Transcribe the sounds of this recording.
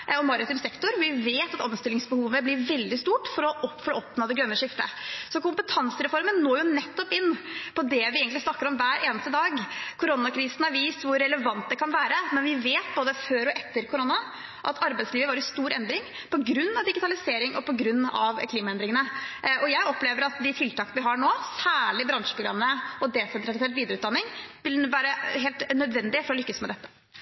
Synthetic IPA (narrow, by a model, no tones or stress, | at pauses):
ɔmɑɾɪt̪iːmsɛkt̪ʊɾʋɪʋeːt̪ɑt̪ɔmst̪ɪlːɪŋsbəhuːʋəblɪɾʋɛld̪ɪst̪uːʈfɔɾɔfɔɾɔɔpnoːd̪ɛɡɾœnːəʂɪft̪əsɔkʊmpət̪ʰɑnsəɾɛfɔɾmənːoːjʊnɛt̪ːɔpɪnːpʰɔd̪ɛʋɪeːɡəŋt̪ɪsnɑkːəɾɔmʋæːɾeːnəst̪əd̪ɑːɡkʰʊɾɔnːɑkʰɾiːsnɑɾʋiːst̪ʋʊɾːɛləʋɑnt̪̚d̪ɛkʰɑnʋæːɾəmɛnʋɪʋeːt̪̚boːd̪əføːɾɔʔɛt̪ːəɾkʰʊɾɔnːɑ | ʔɑt̪ʰɑɾbæɪt̪sliːʋəʋɑːɾɪst̪uːɾɛnd̪ɾɪŋ | pʰɔɡɾʉnːɑʋd̪ɪɡɪt̪ʰɑlɪseːɾɪŋʔɔ̰pʰɔɡɾʉnːɑ̰ʋkʰliːmɑɛnd̪ɾɪŋənəʔʔɔjæɪɔpleːʋəɾɑt̪d̪ɪt̪ʰɪlt̪ɑːkənʋɪɦɑɳoːsæːɭɪbɾɑnʃʂəpʰɾʊɡɾɑ̰mnəɔd̪ɛːsɛnt̪ɾɑlɪseːt̪ʋiːd̪əɾʉːt̪d̪ɑnːɪŋʋɪlʋæːɾəɦeːlt̪nœd̪ʋɛnd̪ɪfɔɾɔlʏkːəsmɛd̪ɛt̪ːə̥